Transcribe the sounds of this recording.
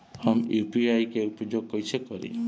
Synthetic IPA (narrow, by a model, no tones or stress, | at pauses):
hɔmupiajkeupɔd͡ʒoɡ̚kɔjsʰekɔɾḭ